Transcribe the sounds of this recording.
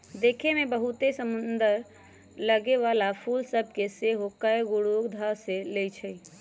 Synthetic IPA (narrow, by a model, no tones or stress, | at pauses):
d̪ekʰemebəɦut̪esəmund̪əɾ | ləɡeʋalapʰulsəb̚ʱkeseɦokəjɡuɽuɡd̪ʱəselejt͡ʃʰɛj